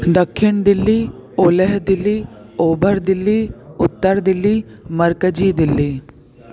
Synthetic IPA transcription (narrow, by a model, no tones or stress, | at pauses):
d̪əkʰːɪɳd̪ɪlːiːoːlɛɦd̪ɪlːiː | oːbəɾd̪ɪlːiːʊt̪ːəɾd̪ɪlːiː | məɾkəd͡ʒiːd̪ɪlːiː